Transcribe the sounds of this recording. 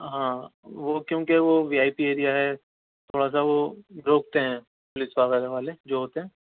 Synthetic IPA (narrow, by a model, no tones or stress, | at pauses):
ɦãːʋokjõːkeʋoʋiːaːipieːɾijaɦɛ | t̪ʰoːɽas̬aʋoɾoːk̚t̪eɦɛ̃ː | pʊlɪsʋaːʋəɾeʋaːled͡ʒoːɦoːt̪eɦɛ̃ː